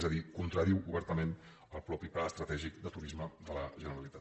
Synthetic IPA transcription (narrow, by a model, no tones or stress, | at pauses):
zəðikunt̪ɾəɾiwuβɛɾt̪əmen | əlˠpɾɔpiplaəst̪ɾət̪ɛʒikd̪ət̪uɾizməðələʒənəɾəlit̪at̪